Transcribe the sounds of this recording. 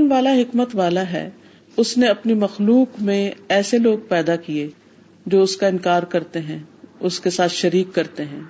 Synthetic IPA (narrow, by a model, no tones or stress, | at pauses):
nʋaːlaɦɪkmət̪ʋaːlaɦɛ̰ː | ʊsneɐpnimɐxluːkmẽɛːseloːɡ̚pɛːd̪akie | d͡ʒoːʊskaɪ̃nkaːɾkɐɾt̪eɦɛ̃ːʊskesaːt̪ʰʃɐɾiːkːɐɾt̪eɦɛ̃ː